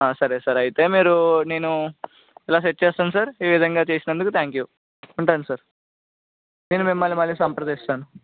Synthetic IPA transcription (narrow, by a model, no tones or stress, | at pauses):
aːsɐɾeːsɐɾɐjt̪e̞ːmiːɾune̞ːnu | ɛlaːseʈ̚ːt͡ʃeːst̪aːnusaːɾeːʋid̪ʱɐŋɡaːt͡ʃeːsinɐnd̪ukut̪ʰaːŋkjuː | uɳʈaːnusɐɾ | ne̞ːnumimːɐlːimɐlːisɐmpɾɐd̪eːst̪aːnu